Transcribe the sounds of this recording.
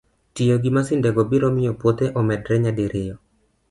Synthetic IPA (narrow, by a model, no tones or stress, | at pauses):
tɪjoɡimasɪndɛɡɔbiɾɔmɪjopwot̪eʔɔmɛdɾɛɲadiɾʔɪjɔ